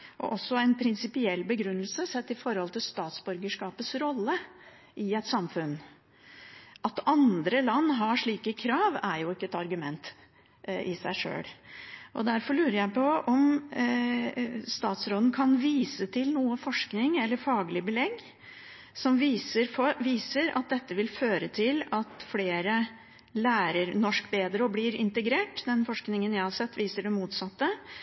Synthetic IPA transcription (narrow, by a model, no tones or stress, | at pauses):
ʔɔ̰ʔɔsːɔɛnpʰɾɪnsɪpɪɛlːbəɡɾʉnːəlsəsɛt̪ːɪfɔɾhɔlt̪ʰɪlst̪ɑːt̪sbʉɾɡəʂkɑːpət̪sɾɔlːə | ʔɪɛt̪sɑmfʉn | ʔɑt̪ɑnd̪ɾəlɑnːɦɑʂɭiːkəkʰɾɑːʋæɾjʊɪkːəɛt̪ɑɾɡʉmɛnt̪ | ɪsæɪʂø̰ːɽʔɔ̰d̪æɾfɔɭʉːɾəɾjæɪpʰɔɔm | st̪ɑːt̪sɾoːd̪n̩kʰɑnʋiːsət̪ʰɪlnuːəfɔʂknɪŋɛlːəɾfɑːɡlɪbəlɛɡ | sɔmʋiːsəɾfɔʋiːsəɾɑ̰t̪̚d̪ɛt̪ːəʋɪlføːɾət̪ʰɪlɑt̪fleːɾə | læːɾəɾnɔʂkbeːd̪ɾəɔblɪɾɪ̰nt̪əɡɾeːʈd̪ɛnfɔʂknɪŋənjæɪhɑɾsɛt̪ːʋiːsəɖɛmuːt̪sɑt̪ːə